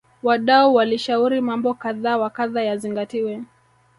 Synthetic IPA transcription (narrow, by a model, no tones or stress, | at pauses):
waɗauwaliʃauɾimambɔkaðaːwakaðajaziŋɡatiwɛ